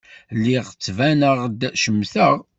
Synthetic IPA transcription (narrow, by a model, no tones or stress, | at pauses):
liʁt͡sːvænəʁd̪ʃəmθəʁ